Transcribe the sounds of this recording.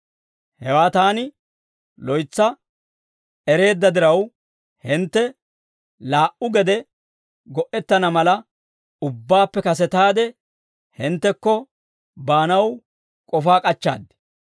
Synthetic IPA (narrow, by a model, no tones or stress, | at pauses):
hɛwaːt̪aːnɪ | lɔjt͡sːɐ | ɛɾe̞ːd̪ːɐd̪ɪɾɐw | hɪnt̪ːɛ | laːʔʊɡɛd̪ɛ | ɡɔʔɛt̪ːɐnɐmɐlɐ | ʊbːaːpːɛkɐs̬ɛt̪aːd̪ɛ | hɪnt̪ːɛkːɔ | baːnɐw | kʼɔfaːkʼɐt͡ʃːa̰ːd̪ːɛ̥